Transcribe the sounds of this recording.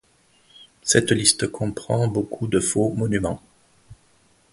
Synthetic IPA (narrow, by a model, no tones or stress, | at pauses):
sɛt̪list̪əkʰɔ̃pχɑ̰̃bokʰud̪əfomɔnymɑ̃